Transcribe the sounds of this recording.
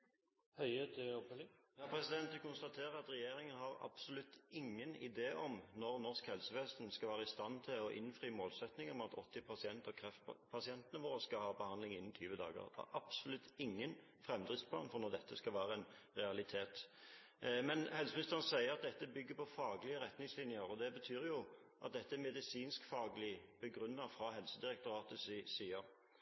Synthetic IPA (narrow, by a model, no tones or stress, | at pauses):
hœɪət̪ɔpœlɪjɑːpʰɾɛsɪd̪ɛnt̪d̪ɛkʊnst̪ɑt̪ʰeːʁəɑt̪ɾɛjeːɾɪŋənhɑʁɑ̰bsɔlʉt̪ːɪŋːənɪ̰d̪eːʔɔmnɔʁnɔʁskhɛlsəʋɛːsnskɑʋæːʁəɪst̪ɑnt̪ʰɪlɔʔɪ̰nfʁyːmoːlsɛt̪nɪŋɔmɑt̪ʰɔt̪ːɪpʰɑsɪɛnt̪əkʰʁɛft̪pʰɑsɪɛnt̪ənəʋoːɾəskɑhɑːbəhɑnd̪lɪŋɪnːn̩t̪ʰyːʋəd̪ɑ̰ːɡə̰ʁd̪ɑ̰ɑbsɔlʉt̪ːɪŋːən | fɾɛmːd̪ʁɪft̪pʰlɑ̰ːnfɔɾnɔʁd̪ɛt̪ːəskɑlʋæːɾəɛnʁɛɑlɪt̪ʰeːt̪ | mɛnhɛlsəmnɪst̪əʁənəsæɪəɑt̪̚d̪ɛt̪ːəbʏɡːəpɔfɑːɡəlɪəɾɛt̪nɪŋslɪnjəɾɔd̪ɛbət̪ʰyːɾjʊ | ʔɑ̰t̪̚d̪ɛt̪ːəɛmɛd̪ɪsiːnskfɑːɡəlɪb̥əɡʁʉnːɑfɾɑɦɛlsəd̪ɪʁɛk̚t̪ʊɾɑːt̪əsɪsiːɑʁ